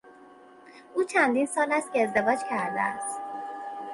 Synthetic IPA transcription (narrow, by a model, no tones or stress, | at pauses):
uːt͡ʃʰænd̪iːnsɒːlæst̪̚cʰʲeːzd̪e̞vɒːd͡ʒcʰæɾd̪ḛæs